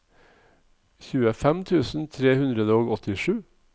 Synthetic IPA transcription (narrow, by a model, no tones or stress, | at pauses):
çʉːəfɛmt̪ʰʉːsn̩t̪ʰɾeːhʉnd̪ɾəd̪əoːɡɔt̪ʰɪʂʉː